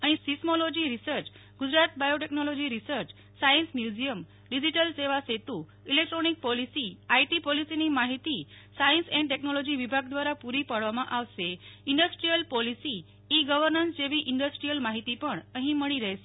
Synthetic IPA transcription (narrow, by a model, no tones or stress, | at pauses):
aɽ̃isismolod͡ʑiːɾisəɾt͡ɕ | ɡud͡zɾat̪̚bajoʈeknɔlod͡ʑiːɾisəɾt͡ɕ | sajənsmjud͡ʑijəm | ɖid͡ʑiʈəlseʋaset̪uː | ilek̚ʈɾonik̚pɔlisiːajʈiːpɔlisiniːmaɦit̪iː | sainsɛ̃ɳɖʈeknɔlod͡ʑiːʋibʱaɡd̪ʋaɾapuɾiːpəɽʋamaʔaʋseiɳɖəsʈɾijəlpɔlisiː | ɡəʋəɾnənsd͡ʑeʋiːʔiɳɖəsʈɾijəlmaɦit̪ipəɳəɦĩməɭiɾajse